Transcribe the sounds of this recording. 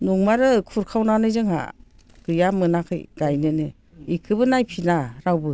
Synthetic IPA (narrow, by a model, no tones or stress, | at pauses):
nuŋmaɾɯkʰuɾkʰawnanɯjzɯŋha̰ | ɡ̥ɯjamɯnakʰɯ̰jɡ̥ajnɯnɯ | ikʰɯbɯnajpʰinaɾawbɯ